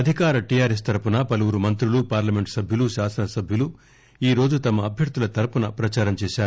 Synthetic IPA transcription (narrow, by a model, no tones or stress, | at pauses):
ɐd̪ʱikaːɾɐʈijaːɾes̬t̪ɐɾpunɐpɐluʋuɾumɐnt̪ɾulupaːɾlɐme̞ɳʈsɐbʱjuluʃaːsɐnɐsɐbʱjulu | iːɾo̞ːd͡ʒut̪ɐmɐːbʱjɐɾt̪ulɐt̪ɐɾpunɐpɾɐt͡ʃaːɾɐmt͡ʃɛːʃaːɾu